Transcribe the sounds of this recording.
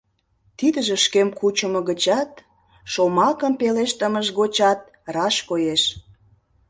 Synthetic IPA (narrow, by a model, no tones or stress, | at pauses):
t̪id̪əʒĕʃkemkut͡ɕəməɣət͡ɕɑt̪̚ | ʃomɑkəmpeleʃt̪əməʃɣot͡ɕɑt̪̚ | rɑʃkojeʃ